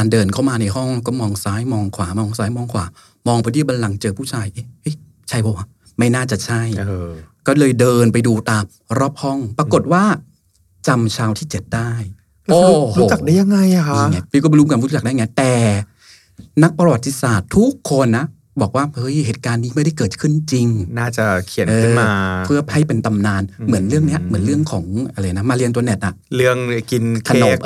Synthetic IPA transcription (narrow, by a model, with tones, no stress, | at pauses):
aː˧ndɤː˧nkʰa˥˩wmaː˧na˧jɔ˥˩ŋkɔː˥˩mɔː˧ŋsaː˨˦˥jmɔː˧ŋkʰwaː˩˦mɔː˧ŋsaː˦˥jmɔː˧ŋkʰwaː˩˦ | mɔː˧ŋpʰːt̪ʰiː˥˩ba˧nla˧ŋt͡ɕɤː˧pʰuː˥˩t͡ɕʰaː˧jʔe˦˥ɤ˦˥j | t͡ɕʰa˥˩jpʰɔː˧˩wa˧˥˩ | ma˥˩jnaː˥˩t͡ɕa˨˩t͡ɕʰa˥˩jkɔː˥˩lɤː˧jdɤː˧npa˧jduː˧t̪aː˧m | ɾɔː˥˩p̚hɔ˥˩ŋpɾa˧ko˨˩t̪̚waː˥˩ | t͡ɕa˧mt͡ɕʰaː˧wt̪ʰiː˥˩t͡ɕe˨˩t̪̚daː˥˩j | oː˨˦ɾu˦˩t͡ɕa˨˩k̚daː˦˥˩ja˧ŋːa˧ja˨˩kʰa˦˧˥ŋa˦˥iː˧˩kɔ˥˩bɔ˧ɾu˦˥ŋkaː˧nɾu˦˥t͡ɕa˨˩daː˥˩˨ŋi˦˥t̪ɛː˨˩ | na˦˥k̚pɾa˧wa˨t̪ʰːi˧˥saː˨˩t̪ʰːu˦˥kʰːo˧nːa˦˥ | bɔː˨˩k̚waː˥˩hɤ˦˥jheː˨˩t̪̚kaː˧nːiː˦˥ma˥˩jda˥˩jkɤː˨˩t̪̚kʰɯ˥˩nt͡ɕi˧ŋnaː˥˩t͡ɕa˨˩kʰi˨˩˦nʔɤː˧ɯ˧˥˩nmaː˧pʰɯ˥˩ɐpʰa˦˥˩jpe˧nt̪a˧mnaː˧nmɯ˩˦ənɾɯ˥˩əŋni˦˥ɐmɯ˩˦nlɾɯ˥˩əŋkʰɔː˩˦ŋʔa˧ɾa˧ja˨na˦˥maː˧li˧nt̪u˧ɐnɛ˨˩t̪̚ʔa˨˩ɾɯ˥˩əŋki˧nkʰa˧no˦˥pʔ